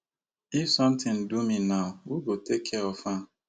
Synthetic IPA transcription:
ifsʌ̃m̩tɪ̃n̩duminawuɡotekʰɛɔfã

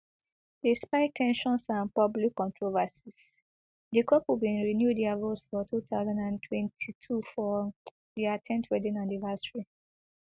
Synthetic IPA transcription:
dispaɪtʰɛ̃nʃɔ̃nsãnpɔblikːɔ̃ntʰɹovasis | dikʰɔpubĩnɹinjudavəlsfɔtʰuθaʊzãndãntʰwɛ̃ntʰitʰufɔ | diatʰɛ̃ntʰwɛdĩnanivɛsɹi

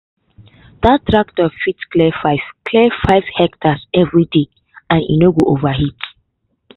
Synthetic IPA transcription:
ðattːɹak̚tɔfitsklɛfkʰlɛfaɪv̥hɛktasɛvɹide | ãnḭnoɡoʔovaɦit

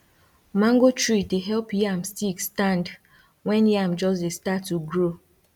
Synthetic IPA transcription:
mãŋɡot͡ʃɹiteɦɛlpjamstikstãnd | wɛ̃njamd͡ʒɔs̬destatːuɡɾo

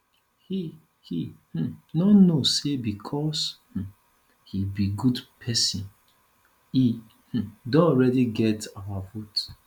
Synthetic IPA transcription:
hi | hih̩nɔnosebikʰɔsh̩ | hibiɡudpʰɛsĩn | i | h̩dõɔɹɛdiɡɛtawafut

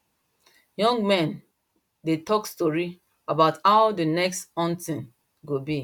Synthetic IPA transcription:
jɔ̃ŋɡmɛ̃n | detɔkstɔɹi | abaʊthaʊdənɛkstɔ̃ntĩn | ɡobi

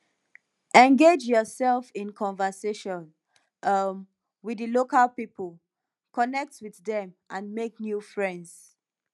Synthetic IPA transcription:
ɛ̃nɡed͡ʒjɔsɛlˠfĩnkʰɔ̃nvəseʃɔ̃n | ʔʌm | widəlokalpipəlˠ | kɔnɛk̚twiððɛ̃mʔãnmek̚njufɹɛ̃ndz̥

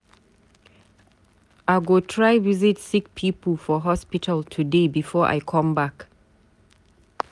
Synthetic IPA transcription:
ʔaɡotʰɹajwizitsik̚pʰiːpəlfɔɦɔspitʰəltʰudebifɔʔa̰jkʰɔ̃mbak

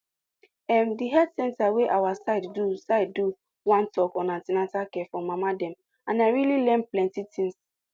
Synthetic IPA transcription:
ɛmdiɦɛdsɛ̃ntaweʔawasaɪdːusaɪd̚du | wãntɔkɔnatinatakɛfɔ̃mːamadɛ̃m | ãnaɪɹililɛ̃mplɛ̃ntitʰĩŋs

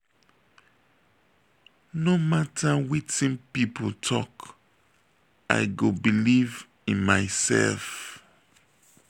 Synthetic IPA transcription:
nomatʰawitĩnpipotʰɔk | a̰ɪɡobiliv | ĩnmaɪsɛ̰lf

